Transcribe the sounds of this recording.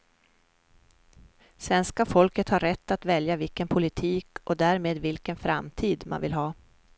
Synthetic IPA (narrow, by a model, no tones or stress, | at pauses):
svɛnskafɔlkət̪haɾɛt̪ːat̪vɛljavɪlkənpʰʊlɪt̪ʰiːkɔd̪æːɾmeːd̪vɪlkənfɾa̰mt̪ʰiːd̪ma̰nvɪ̰lɦɑː